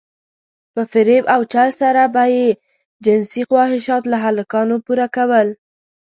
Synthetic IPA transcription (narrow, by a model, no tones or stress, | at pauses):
pəfɪɾebawt͡ʃalsaɾabaje | d͡ʒɪnsixwɑhɪʃɑt̪laɦalakɑnopuɾakawəl